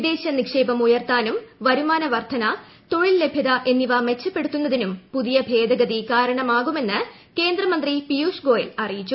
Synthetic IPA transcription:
id̪e̞ːɕɐnikʂe̞ːbɐmujɐrt̪aːnumʋɐɾumaːnɐʋɐrt̪ʰɐnɐ | t̪o̞ɻilːe̞bʱjɐðɐʔe̞nːiʋɐme̞t͡ɕːɐpːe̞ɽut̪ːunːɐðinumpuðijɐbʱe̞ːd̪ɐɡɐðikaːɾɐɳɐmaːɣume̞nːɨ | ke̞ːnd̪rɐmɐnd̪ripijuːʂɡo̞ːjɐlɐrijit͡ɕːu

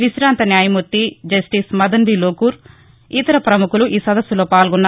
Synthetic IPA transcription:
ʋisɾaːnt̪ɐnjaːjɐmut̪ːid͡ʒɐsʈismɐd̪ɐnbiloːkuːɾ | it̪ɐɾɐpɾɐmukuluʔiːsɐd̪ɐsːulo̞ːpaːlɡunːa

